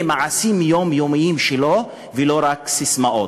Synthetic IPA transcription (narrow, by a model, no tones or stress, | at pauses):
emaʕasimjomjomiimʃelo | veloɾaksismaʔo